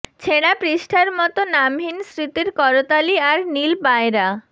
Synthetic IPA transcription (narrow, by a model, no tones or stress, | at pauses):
t͡ɕʰeɽ̃apɾiʃʈʰaɾmɔt̪onamɦinsɾit̪iɾkɔɾot̪aliaɾnilbaeɾa